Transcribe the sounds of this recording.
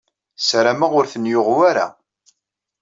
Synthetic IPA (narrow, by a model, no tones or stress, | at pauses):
sɾamaʁʊɾθənjʊʁwaɾa̰